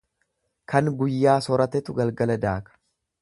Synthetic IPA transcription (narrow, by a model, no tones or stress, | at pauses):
kʰɐŋɡʊjːaːsɔɾɐt̪ɛt̪ʊɡɐlɡɐlɐd̪aːkɐ̥